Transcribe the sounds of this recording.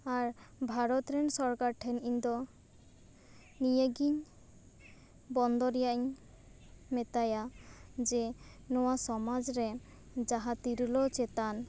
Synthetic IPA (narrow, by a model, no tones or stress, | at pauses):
aɾbʱaɾɔt̪ɾɛnsɔɾkaɾʈʰɛniɲd̪ɔ | nijeɡiɲ | bɔnd̪ɔɾɛjaʔɲ | mɛt̪ajad͡ʒɛ | nɔwasɔmad͡ʒɾɛ | d͡ʒaɦat̪iɾlɔt͡ʃɛt̪an